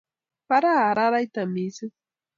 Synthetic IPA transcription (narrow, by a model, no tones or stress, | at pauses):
paɾaːɾaɾajt̪amisi